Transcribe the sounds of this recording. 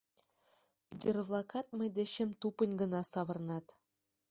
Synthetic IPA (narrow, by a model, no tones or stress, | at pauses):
ɡʲerβlˠɑkɑt̪̚mɤ̆jd̪ɘ̆ɕɘ̆mt̪upɤ̆nʲɡɤ̆nɑsɑβɤ̆rnɑt̪